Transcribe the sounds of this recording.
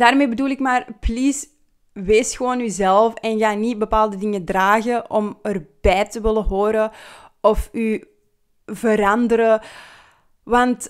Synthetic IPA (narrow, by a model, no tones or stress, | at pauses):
daːrmeːbəduːlˠɪkmaːrpliːs | ʋeːsxəʋoːnyzɛlˠfɛnɣaːnit̚bəpaːlˠdədɪŋədraːɣəʔɔmərb̥ɛːtəʋɪləɦoːɾəɔfy | vəɾɑndəɾə | ʋɑnt